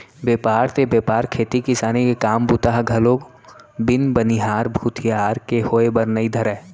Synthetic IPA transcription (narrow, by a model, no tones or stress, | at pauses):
beːpaːɾt̪ebepaːɾkʰeːt̪ikɪsaːnikekaːmbut̪aːɦɡʱɐloːk | bɪnbəniɦaːɾbʱuːt̪ʰijaːɾkehoːebɐɾnəid̪ʱɐɾɛː